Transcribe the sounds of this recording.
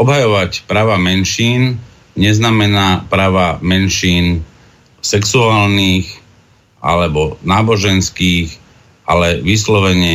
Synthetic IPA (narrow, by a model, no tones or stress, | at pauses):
ɔbɦajɔʋacpɾaːʋamɛnʃiːn | ɲɛznamɛnaːpɾaːʋamɛnʃiːn | sɛksuaːlniːx | ʔa̰lɛbɔnaːbɔʒɛnskiːx | ʔalɛʋislɔʋɛɲɪɛ